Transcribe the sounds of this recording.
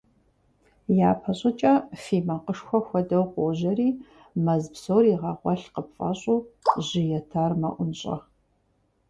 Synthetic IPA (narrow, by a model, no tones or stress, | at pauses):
jaːpʰɐɕʼɪt͡ʃʼɐfiːmɐqəʂxʷɔxʷɔdɐwqʷoʑɐriː | mɐzpsoːriːʁɐʁʷɔɬqəpfʼɐ̰ɕʼuːʑɪjɛtʰaːrmɐʔʷʊnɕʼɐ̰